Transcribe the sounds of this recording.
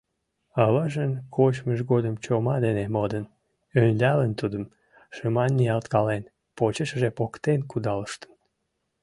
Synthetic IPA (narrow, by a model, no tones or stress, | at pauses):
ɑβɑʒənkʰot͡ɕməʃɡod̪əmt͡ɕomɑd̪enemod̪ən | ønʲlʲælənt̪ud̪əm | ʃəmɑnːiɑlt̪kɑlen | pot͡ɕəʃəʒepokt̪enkud̪ɑləʃt̪ə̥n